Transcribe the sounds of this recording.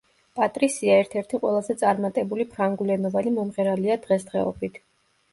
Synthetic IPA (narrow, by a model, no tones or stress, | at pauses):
pʼat̪ʼɾisiaɛɾt̪ʰɛɾt̪ʰiqʼwɛlˠazɛt̪sʼaɾmat̪ʼɛbulipʰɾaŋɡulɛnɔvanimɔmʁɛɾaliad̪̥ʁɛsd̪ʁɛɔ̰bit̪ʰ